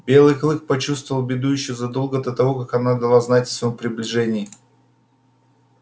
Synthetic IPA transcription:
bʲe̞lˠɨklˠɨxpɐt͡ɕust̪vəvlˠbʲɪd̪ujɪɕːozɐd̪o̞lˠɡəd̪ət̪ɐvo̞kakɐnad̪ɐlˠaznatʲɐsvəjompɾʲɪblʲɪʐɛnʲɪjə

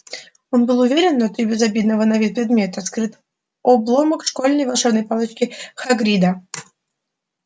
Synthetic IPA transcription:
o̞nbɨlˠʊvʲeɾʲɪnːɐt̪ɾʲibʲɪzɐbʲid̪nəvənɐvʲit̪̚pɾʲɪd̪mʲe̞t̪əskɾɨt̪ | ɔblˠoməkʂkolʲnəjvɐlˠʂɛbnəjpalˠɨt͡ɕkʲɪxɐɡɾʲid̪ə

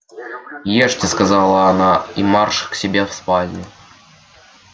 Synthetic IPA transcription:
jeʂtʲɪskɐzɑlˠəɐnaimarʂksʲɪbʲefspalʲnʲɪ

